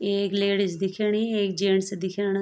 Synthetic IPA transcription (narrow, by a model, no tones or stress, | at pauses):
eːkleːɽɪsd̪ɪkʰaːɳiːeːk̚d͡ʒeːɳsd̪ɪkʰaːna